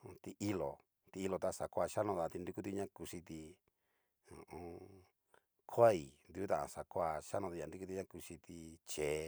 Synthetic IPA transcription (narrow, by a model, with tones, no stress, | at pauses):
t̪i˧ʔi˦lo˨ | t̪i˧i˧lo˧t̪a˧sa˨kʷa˦˧˨ʃa˦nõ˧ða˧t̪i˧nd̪u˧ku˦t̪i˧ɲã˦ku˧ʂi˧t̪i˧ | õ˨õ˧ | kʰʷa˦˨i˨nd̪u˧˦t̪ã˨ã̰˧sa˨kʷa˧ʃa˦nõ˧t̪i˧a˨nd̪u˧˦ku˦t̪i˧ɲã˦ku˧ʂi˧t̪i˧t͡ʃe˨˦